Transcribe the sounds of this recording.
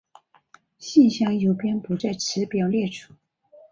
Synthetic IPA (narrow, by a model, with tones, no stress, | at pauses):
ɕi˥˩nɕjɑ˥˩ŋjo˨˩ʊpjɛ˥npu˧˥t͡sa˥˩ɪʈ͡ʂʰɻ̩˧˥pjɑ˨˩ʊljɛ˥˩ʈ͡ʂʰu˨˩˦